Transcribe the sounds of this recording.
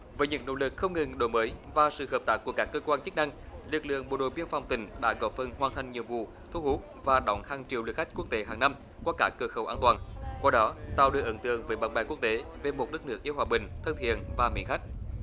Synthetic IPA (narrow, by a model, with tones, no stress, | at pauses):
vəː˨˦ɲɨ̰˧˥ŋno̰˧˥lɨ˨˩k̚xə˧wŋ͡mŋɨ˨˩ŋɗo˧˨˦məː˨˦jvaː˨˩sɨ̰˧˨ɦəː˨˩p̚t̪aː˦˥k̚ːu˧˩əkaː˦˥kːəː˧kwaː˧nt͡ɕɨ˦˥k̚na˧ŋlɨ˨˩k̚lɨ̰˧˨əŋɓo̰˨˩ɗo̰˧˨˩ɓi˧ənfɔ˨˩wŋ͡mt̪ï˨˩˦ŋ̟ɗa̰ː˧˥ɣɔ˧˥pfə˨˧˩nhwaː˨˩nt̪ʰa˨jŋ̟ɲi˨əwvṵ˧˨ | t̪ʰu˧hu˦˥t̚vaː˨˩ɗɔ˨˦wŋ͡mhaː˨˩ŋt͡ɕḭ˨˧˨əwlɨ˨˩xa˦˥k̟̚ku˦˥ək̚t̪e˨˦ɦaː˨˩ŋna˧m | kwaː˧kaː˧˥kəː˧xə˨˦wʔaː˧nt̪waː˨˩nkwaː˧ɗɔ˨˦t̪a̰ː˧˨wɗɨ˨˩ək̚ʔə˨˦nt̪ɨ̰˧˨əŋvəː˨˦jɓaː˨˧˩nɓaː˨˧˩jku˦˥ək̚t̪e˨˦ve˨˩mo˨˩t̚nɨ˦˥k̚nɨ˦˥k̚ʔi˧əwhwaː˨˩ɓï˨˩ŋ̟t̪ʰə˧ŋ͡mt̪ʰḭ˧˨ənvaː˨˩mḭ˧˥nŋxa˦˥k̟̚